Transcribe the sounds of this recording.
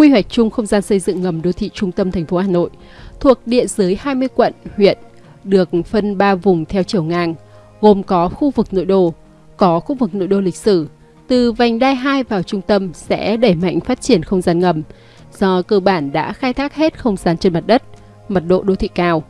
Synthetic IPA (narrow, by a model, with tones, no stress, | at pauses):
xwi˧wa˨˩jk̚t͡ɕʊ˧ŋ͡mxə˧wŋ͡mzaː˧nsə˧jzɨ̰˧˨ŋŋə˨˩mɗo˧t̪ʰḭ˧˨t͡ɕʊ˧ŋ͡mt̪ə˧mt̪ʰɛ˨˩ŋ̟fo˨˦haː˧˩no̰˧˨j | t̪ʰu˨˩ək̚ɗḭ˧˨ənzɨ˨˦əjhaː˧jmɨ˧əjkwə̰˧˨nhwḭ˧˨ən | ɗɨ˨˩ək̚fə˧nɓaː˧vʊ˨˩ŋ͡mt̪ʰɛ˧wt͡ɕi˧˩əwŋaː˧ŋ | ɣo˨˩mkɔ˨˦xu˧vɨ˨˩k̚no̰˧˨jɗo̰˧˨ | kɔ˨˦xu˧vɨ˨˩k̚no̰˧˨jɗo̰˧˨lï˨˩k̟̚sɨ˧˩ | t̪ɨ˨˩va˨˩jŋ̟ɗaː˧jɦaː˧jvaː˨˩wt͡ɕʊ˧ŋ͡mt̪ə˧msɛ̰˧˥ɗeə˧˩jma̰˧˨jŋ̟faː˦˥t̚t͡ɕi˧˩ənxə˧wŋ͡mzaː˧nŋə˨˩m | z̥ɔ˧kəː˧ɓaː˧˩nɗa̰ː˧˥xaː˧jt̪ʰaː˦˥k̚he˦˥t̚xə˧wŋ͡mzaː˨˧nt͡ɕe˧nma˨˩t̚ɗə˦˥t̚ | mə˨˩t̚ɗo̰˧˨ɗo˧t̪ʰḭ˧˨kaː˧w